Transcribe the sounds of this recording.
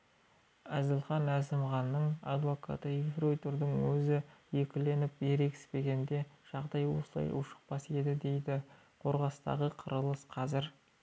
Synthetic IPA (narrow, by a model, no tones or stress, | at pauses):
æzɪlˠχɑnæzɪmʁɑnːəɴɑ̰d̪vo̞kʰɑ̰t̪əifro̞jt̪ʊɾd̪əŋwɵzɪje̞kʲɪle̞nɪpjeɾe̞kʲɪ̥spe̞ɡʲe̞nd̪e̞ʒ̥ɑʁd̪ɑjwo̞̰səlˠɑ̰jʔʊ̰ʃə̥q̚pɑse̞d̪ɪd̪e̞jd̪ɪ | qʰo̞ɾʁɑst̪ɑ̰ʁəqʰəɾəlˠəsqʰɑzɪɾ